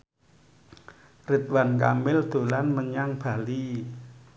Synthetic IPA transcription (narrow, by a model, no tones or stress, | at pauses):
rɪt̪̚wankamɪld̪̥o̤lanməɲaŋb̥a̤li